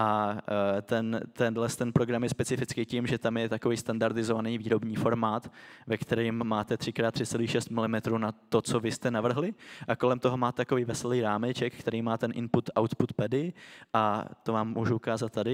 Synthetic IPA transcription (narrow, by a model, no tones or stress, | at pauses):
ʔa | t̪ɛnt̪ɛndlɛst̪ɛnpɾo̞ɡɾamjɛspɛt͡sɪfɪt͡skiːcimʒɛt̪amjɛt̪ako̞viːst̪andaɾdɪzovaniːviːɾo̞bɲiːfo̞ɾmaːt̪vɛkt̪ɛɾiːmːaːt̪ɛt̪r̝̥ɪkɾaːt̪ːr̝̥ɪt͡sɛliːxʃɛst̪mɪlɪmɛt̪ɾuːnat̪o̞t͡so̞vɪst̪ɛnavr̩ɦlɪʔako̞lɛmt̪o̞ɦo̞maːt̪ɛt̪akoviːvɛsɛliːɾaːmɛt͡ʃɛkkːt̪ɛɾiːmaːt̪ɛnʔɪnput̪ʔawt̪put̪pɛdɪʔat̪ovaːmːuːʒuukaːzat̪t̪ːadɪ